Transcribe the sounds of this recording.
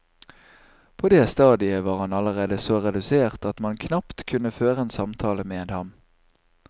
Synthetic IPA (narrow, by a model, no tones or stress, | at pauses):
pʰoːd̪eːst̪ɑːd̪ɪəʋɑːʁhɑnɑləʁeːd̪əsoːʁɛd̪ʉseːʁt̪ɑt̪mɑnkʰnɑpt̪kʰʉnəføːʁəeːnsɑmt̪ʰɑːləmeːd̪hɑm